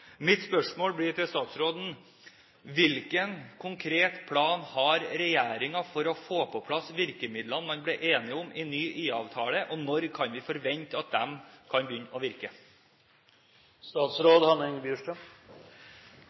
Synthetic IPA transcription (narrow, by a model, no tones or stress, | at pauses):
mɪt̪spœʂmoːlbɽɪɾt̪ɪlst̪ɑːt̪sɾoːd̪n̩ | ʋɪlkənkʰʊŋkʰɾeːt̪pʰlɑːnhɑɾɾɛjæːɾɪŋɑfɔɾɔfoːpʰɔpʰlɑsʋɪɾkəmɪd̪lɑnmɑnbliːʔeːnɪʊmʔɪnyːʔiːɑʋt̪ʰɑːləʔɔnɔɾkʰɑnʋɪfɔɾʋɛɲt̪ɑt̪̚d̪ɛmkʰɑnbəjʏnːɔʋɪɾkə | st̪ɑːt̪sɾoːd̪hɑnɛŋbjʉʂʈɾəm